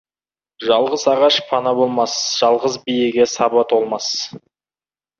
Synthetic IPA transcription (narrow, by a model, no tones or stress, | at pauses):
ʒɑlˠʁəzɑʁɑʃpʰɑnɑbo̞lˠmɑsʒ̥ɑlˠʁəzbijeɡʲe̞sɑbɑt̪ʰolˠmɑs